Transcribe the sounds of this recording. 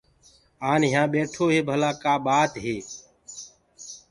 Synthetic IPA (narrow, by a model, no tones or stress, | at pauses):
aːnɪjãːɓeːʈʰoːɦeːbʱəlaːkaːɓaːt̪ɦeː